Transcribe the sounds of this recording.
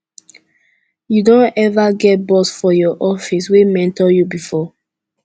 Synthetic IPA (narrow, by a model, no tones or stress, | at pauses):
judõnɛvaɡɛt̚bɔsfɔjɔʔɔfiswemɛ̃ntɔjubifɔ